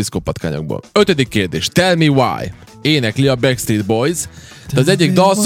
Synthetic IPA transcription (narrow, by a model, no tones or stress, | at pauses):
iskopɒt̪ka̰ːɲo̰ɡ̚bo̰nø̞t̪ød̪ikːeːrd̪ḛːʃt̪ɛlmiwa̰ːj | eːnɛkliɒbɛkst̪ɾiːd̪bo̞jz | d̪ɛɒzɛɟːiɡ̚d̪ɒls